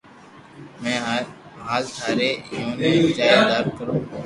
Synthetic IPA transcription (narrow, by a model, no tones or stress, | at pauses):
mɛ̃ː | ɦaːlsaːɾeːjõːnẽːd͡ʒaːed̪aːɾkəɾõː